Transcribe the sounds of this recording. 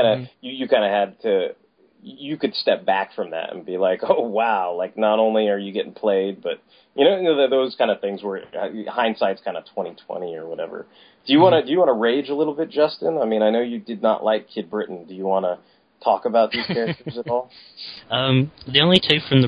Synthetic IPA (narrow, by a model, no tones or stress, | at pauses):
aɪ̃ndɨjɨjɨkʰãɪ̃ndɨɨd̚tʰɨ | jɨkɨd̥stɛp̚b̥æ̰kfɹʌ̃mðæ̰ɾɨ̰̃nbilaɪkoʊwaʊlaɪk̚nəɾõʊ̃nliə˞jɨɡɛɾɪ̰̃ŋpʰl̥eɪd̚b̥ʌt̚ | jʔɨñoʊnoʊðɨðoʊz̥kʰãɪ̃ndɨθɪ̃ŋzwə̰˞hãɪ̃nsaɪdz̥kʰãɪ̃ndɨtʰw̥ɛ̃ɾ̃itʰw̥ɛ̰̃ɾ̃iə̰˞wʌɾɛ̰və̰˞ | d̥ɨjɨwɑ̃ɾ̃ɨdɨjɨwɑ̃nəɹeɪd͡ʒəlɪɾl̩ˠbɪt̚d̥ʒ̥ʌstɨ̃naɪmĩɾ̃aɪnoʊjɨdɨdⁿnə̰ʔlʔaɪkʰːɪd̚bɹɪʔn̩dɨjɨwɑ̃nə | tʰɔkəbaʊt̪̚ðiz̥kʰɛɹɨtə˞zəɾɔlˠʌ̃mðiõʊ̃nlitʰʉfɹʌ̃mðɨ